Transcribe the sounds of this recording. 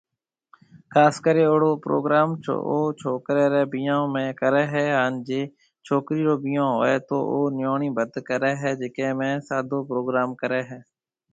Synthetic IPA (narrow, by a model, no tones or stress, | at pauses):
kʰaːskəɾeːoːɽoːpɾo̰ːɡɾaːmt͡ʃʰo̰oːt͡ʃʰoːkɾeːɾɛːbijãːmẽːkəɾɛːɦɛːɦaːnd͡ʒeː | t͡ʃʰoːkɾiːɾoːbiːãːɦoːeːt̪oːʔoːnɪjoːɳĩːbəd̪kəɾɛːɦɛːd͡ʒɪkẽːmẽːsaːd̪oːpɾoːɡɾaːmkəɾɛːɦɛː